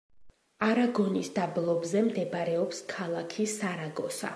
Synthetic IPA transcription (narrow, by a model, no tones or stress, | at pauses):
aɾaɡɔnisd̪ablˠɔbzɛmd̪ɛbaɾɛɔpskʰalˠakʰisaɾaɡɔsa̰